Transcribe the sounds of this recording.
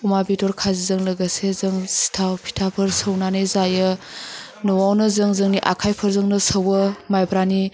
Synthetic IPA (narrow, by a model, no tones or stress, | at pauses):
umabitoɾkʰazizɐŋlɐɡasezɐŋsi̥tʰapʰi̥tʰapʰɐɾsəwnanajzajɯ | nuwawnɐzɐŋzɯŋniʔakʰajpʰɐɾzəŋnɐsəwɐmajbɾani